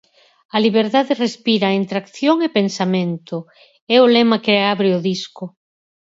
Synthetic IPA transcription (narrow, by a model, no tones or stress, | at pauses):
ɐliβ̞eɾðaðerespiɾɐent̪ɾakθjoŋepensamẽnt̪ʊ | ɛʊlɛmɐkeaβɾeʊðiskʊ